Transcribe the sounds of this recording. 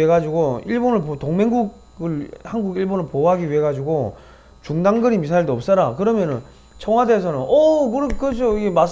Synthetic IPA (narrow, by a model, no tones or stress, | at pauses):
eɡad͡ʑiɡoiɭbonɯɭpotoŋmeŋɡuɡ | ɯɭhanɡuɡiɭbonɯɭpoɦaɡiɥiɦe̞ɡad͡ʑiɡo | t͡ɕuŋdaŋɡɯɾimis̬ʰaiɭdoʌp̚s͈ʌɾakɯɾʌmjʌnɯn | t͡ɕʰʌŋwadeːsʰʌnɯnʌkɯɾkɯʌd͡ʑʰoiɡemas